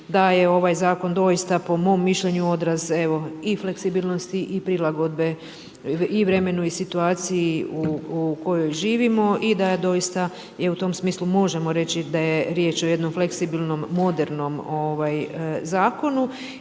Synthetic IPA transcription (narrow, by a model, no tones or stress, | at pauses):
d̪aje̞o̞ʋajzaːko̞nd̪o̞jist̪apo̞mo̞ːmːiʃʎe̞ɲuo̞d̪ɾaze̞ʋo̞ifle̞ksibiːlˠno̞st̪iʔipɾilˠaɡo̞d̪be̞ | iʋɾe̞me̞nuisit̪uaːt̪sijiuuko̞jo̞jʒiːʋimo̞ʔid̪ad̪o̞jist̪a | jeut̪o̞msmiːslumo̞ʒe̞mo̞ɾe̞t͡ɕid̪aje̞ɾje̞ːt͡ʃo̞je̞d̪nomfle̞ksibilˠno̞mːo̞d̪eɾno̞mo̞ʋajzaːko̞nu